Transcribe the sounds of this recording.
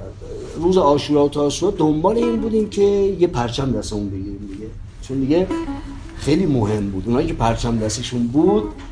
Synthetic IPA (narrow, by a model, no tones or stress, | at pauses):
ɾuːzeɒːʃuːɾɒːot̪ʰɒːsued̪ombɒːle̞iːnbuːd̪iːncʰe̞jepʰæɾt͡ʃʰæmd̪æst̪eunbe̞ɟiːɾiːmd̪iɡe̞ | t͡ʃʰond̪iɡe̞ | xejliːmoɦe̞mbuːd̪unhɒːjicʰe̞pʰæɾt͡ʃʰæmd̪æst̪eʃunbuːd̪̥